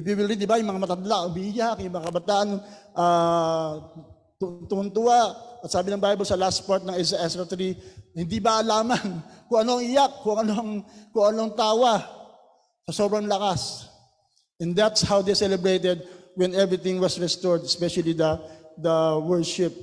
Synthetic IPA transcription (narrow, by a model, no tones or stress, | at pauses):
biwɪlɾid̪d̪ɪbajʊŋmɐŋamɐt̪ɐnd̪laʔʊbijakjʊŋmɐŋakɐbɐt̪aːʔɐnʔa | t̪ʊt̪ʊʔʊnt̪ʊaʔɐt̪saːbɪnɐŋbajbɐlsɐlast̪̚paɹt̪̚nɐŋɛzaʔɛsɐt̪ɾihɪnd̪ibɐʔɐlaːmɐnkʊŋʔɐnoʔɐŋʔɪjakːʊɐŋɐnoʔɐŋkʊŋɐnoɐŋt̪aːwa | sɐso̞ːbɾɐŋlɐkas | ʔɛ̃nd̪at̪shawd̪ɛjsɛlɛbɹejt̪ɛd̪̚wɛnɛvɹɪt̪ɪ̃ŋwɐsɹɛst̪oɹd̪ɛspɛʃɐlid̪ɐd̪ɐwɛɹʃɪp̚